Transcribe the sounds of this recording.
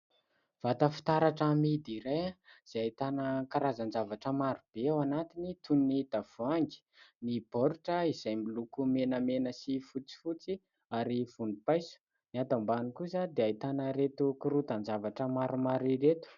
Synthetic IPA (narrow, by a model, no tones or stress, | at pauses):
v̥at̪əfi̥t̪aɾaʈ͡ʂamid̪iɾeaz̥aajt̪anəkaɾazand͡zavaʈ͡ʂəmaɾub̥eawanat̪init̪ʰunnid̪av̥uaŋɡi̥nib̥oɾuʈ͡ʂəiz̥ajmilukumenəmenəsifut͡si̥fut͡si | aɾiv̥unipajsu̥ | niat̪ambanikusad̪eait̪anəɾet̪ukuɾut̪and͡zavaʈ͡ʂəmaɾumaɾiɾet̪u̥